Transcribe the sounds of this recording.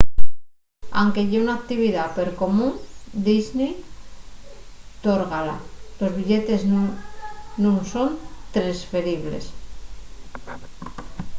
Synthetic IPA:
a̰wŋke̞ʝeunak̚t̪iβ̞iðapeɾko̞mũnd̪izne | t̪oɾɣala̰lo̞zβiʎe̞t̪e̞zn | nũnso̞nt̪ɾesfe̞ɾiβ̞lḛs

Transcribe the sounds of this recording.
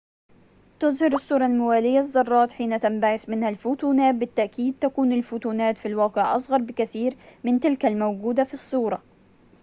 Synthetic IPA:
t̪ʊzhɑɾɪsˤːuːɾˤɑlmʊwaːlɪjːazˤːɑrˤːɑːt̪ħiːnat̪ambaʕɪsmɪnhalfut̪uːnaːt̪̚bɪt̪ːaʔkiːd̪̚t̪akuːnalfʊt̪uːnaːt̪filwɑːqɪʕʔɑsˤɣɑɾˤbɪkaθiːɾmɪnt̪ɪlkalmawɡuːd̪afisˤːuːɾˤɑ

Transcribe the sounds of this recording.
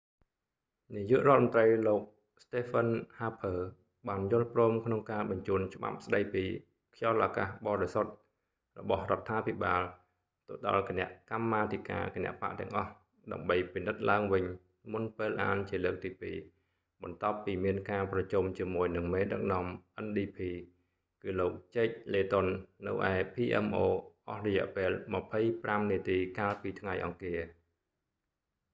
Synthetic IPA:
nijuəʔrŏət̪̚mənt̪rəjloːk̚ | st̪eːpʰənhaːpʰəː | ɓaːnjʊ̆əlprɔːmkʰnoŋkaːɓɑɲt͡ɕuːənt͡ɕə̆ɓa̰p̚sɗəjpiː | kʰjɑlʔaːkaːhɓɑːɾesot̪̚ | rɔɓɑhrŏət̪ʰːaːpʰiɓaːl | t̪oɗɑ̰lkinɛ̆əʔkamːaːt̪ʰika̰ːkenɛ̆əʔpa̰ʔt̪ɛ̆əŋʔɑh | ɗa̰əmɓəjpinɨt̪̚laəŋʋɨɲ | munpeːlʔa̰ːnt͡ɕiələːk̚t̪iːpiː | ɓɑnt̪ŏəpːiːmiənkaːprɑt͡ɕumt͡ɕiəmuəjnɨŋmeːɗɨk̚nŏəmʔənɗiːpʰiː | kɨːloːk̚t͡ɕeːc̚leːt̪onːɨ̰wʔa̰ɛpʰiːʔɛ̰mʔoːʔɑhrɑjɛ̆əʔpeːlməpʰəjpramniət̪iːkaːlpiːt̪ʰŋajʔɑ̰ŋkiə

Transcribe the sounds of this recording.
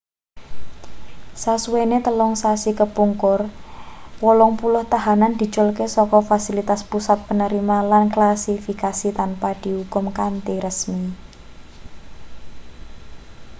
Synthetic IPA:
sasuwenet̪əlɔŋsasikəpuŋkʊr | wolɔŋpulʊht̪aɦanand̪̥i̤t͡ʃʊlkesɔkɔfasilit̪aspusat̪̚pənəɾimalanklasifikasit̪anpad̪̥i̤ɦukʊmkant̪iɾəsmi

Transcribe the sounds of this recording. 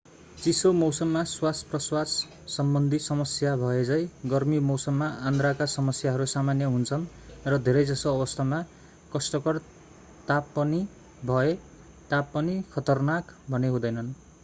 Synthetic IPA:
t͡sisomʌwsʌmːaswasprʌswas | sʌmbʌnd̪ʱisʌmʌsjabʱʌed͡zʌjɡʌrmimʌwsʌmːaʔand̪rakasʌmʌsjaɦʌɾusamanjʌɦunt͡sʰʌn | rʌd̪ʱeɾʌjd͡zʌsoʌbʌst̪ʰama | kʌsʈʌkʌr | t̪apːʌni | bʱʌe | t̪apːʌnikʰʌt̪ʌrnakbʱʌneɦũd̪ʌjnʌn

